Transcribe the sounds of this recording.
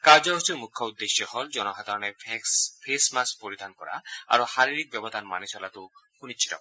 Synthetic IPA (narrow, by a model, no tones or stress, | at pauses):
kaɾd͡ʒɔɦusʰɔɾmukʰːɔud̪ːeʃjɔhɔld͡ʒɔnɔɦad̪ʱaɾɔnepʰesmaspoɾid̪ʱankɔɾa̰a̰ɾohaɾiɾik̚bjɔbɔd̪ʱanma̰nisɔlat̪uhunit͡ʃʰi̥tɔ̰